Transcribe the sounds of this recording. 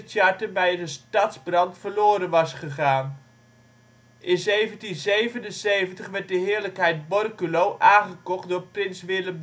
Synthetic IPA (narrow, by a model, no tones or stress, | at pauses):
tjɑɹtəbɛjdəstɑtzbrɑntfəɹloːɾənʋɑsχəχaːn | ʔɪnzejvəntinzejvənənsejvəntəχʋɛɹt̚dəɦɪːɹləkɦɛjt̚bɔrkylowʔaːnχəkɔχt̚dʊːɹprɪnsʋɪləm